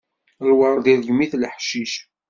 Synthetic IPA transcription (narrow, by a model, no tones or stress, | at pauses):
lwəɾˤðiɾʝmːiθlħʃiʃ